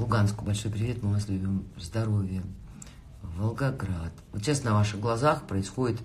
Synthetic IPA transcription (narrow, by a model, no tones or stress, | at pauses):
lˠʊɡanskʊjbɐlʲʂo̞jpɾʲɪvʲe̞t̪mɨvaslʲʉbʲimzd̪ɐɾo̞vʲɪjə | vəlˠɡɐɡɾat̪vot̪ɕasnɐvaʂɨɣɡlˠɐzaxpɾəɪsxo̞dʲɪt̪